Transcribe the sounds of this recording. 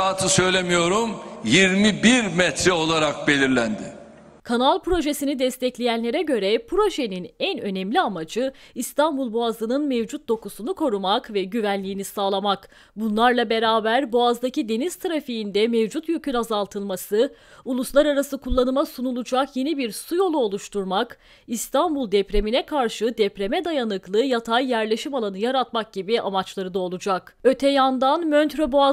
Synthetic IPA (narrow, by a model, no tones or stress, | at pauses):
aːt̪ʰɯsø̞jlʲemijo̞ɾumjiɾmibiɾmɛt̪ʰɾɛo̞lˠaɾak̚be̞lʲiɾlʲænd̪ɪ | kʰanalˠpɾo̞ʒesinid̪ɛst̪ʰɛclʲejænlʲe̞ɾɛɟø̞ɾɛpɾo̞ʒe̞ninɛnø̞nɛmlʲiamad͡ʒɯist̪ʰanbulˠboazɯnɯnmevd͡ʒut̪̚d̪o̞kusunukʰo̞ɾumakvɛɟyvænlʲijːnisaːlˠamak | bunlˠaɾlˠabe̞ɾaːbæɾboazd̪acid̪e̞niz̥t̪ʰaɾafijind̪ɛmevd͡ʒut̪jøcʰynazalˠt̪ʰɯlˠmasɯ | ulˠuslˠaɾaɾasɯkʰulˠːanɯmasunulˠud͡ʒakje̞nibiɾsujo̞lˠuo̞lˠuʃt̪ʰuɾmak | ist̪ʰanbulˠd̪ɛpɾe̞minɛkʰaɾʃɯd̪ɛpɾe̞mɛd̪ajanɯklˠɯjat̪ʰajːæɾlʲe̞ʃimalˠanɯjaɾat̪mak̚ɟ̥ibiamat͡ʃlˠaɾɯd̪ao̞lˠud͡ʒakø̞t̪ʰɛjand̪anmønt̪ɾoboa